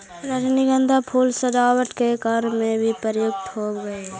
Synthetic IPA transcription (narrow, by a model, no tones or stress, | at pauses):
ɾəd͡ʒniɡə̃nd̪ʱapʰuːlsəd̪aːwəʈkekaɾmẽbʱipəɾjoɡ̚ʈ̪ʰɦoːbɡəe